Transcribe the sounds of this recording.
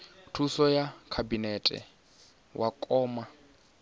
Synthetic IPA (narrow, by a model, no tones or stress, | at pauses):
tʰusɔjakʰabinɛtʼɛ̰ | wʔakʼɔːma